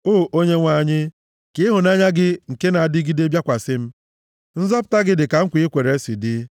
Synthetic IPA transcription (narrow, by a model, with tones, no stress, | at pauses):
oː˦˨ʔo˦ɲe˦ŋʷa˦˨ɲɪ˦ | kɪ˦ɦʊ˨na˦ɲa˦ɡɪ˦ŋ̩˨ke˦na˨a˨dɪ˦ɡi˦de˦bja˦kʷa˨sɪ˦m̩˦ | n̩˦zɔ˦p̬ʊ̥˨ta˦ɡɪ˦dɪ˨ka˨ŋ̩˦kʷi˦kʷe˨ɾe˨˦si˨dɪ˦